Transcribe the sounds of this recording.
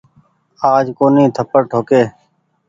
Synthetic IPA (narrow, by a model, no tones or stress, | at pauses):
aːd͡ʒkoːnĩːt̪ʰəpəɾʈʰoːkeː